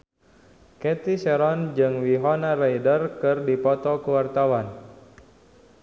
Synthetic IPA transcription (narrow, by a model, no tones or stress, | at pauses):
kɛt̪isɛɾɔnd͡ʒɨŋwiɦɔnarajdərkɨrdipɔt̪ɔkəwart̪awan